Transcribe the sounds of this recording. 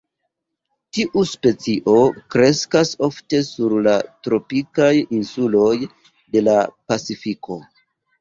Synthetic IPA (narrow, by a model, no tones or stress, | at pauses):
tiʔuspe̞t͡siʔo̞kɾe̞skaso̞fte̞suɾlatɾo̞pikajinsulo̞j | de̞lapat͡sifikʰo̞